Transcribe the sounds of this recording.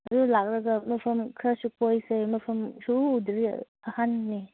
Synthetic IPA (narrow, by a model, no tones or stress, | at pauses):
ɐjulak̚ɾɐɡɐmɐpʰɐmkʰɾasukojsemɐpʰɐmsuːdɾḭ | ɐhanːi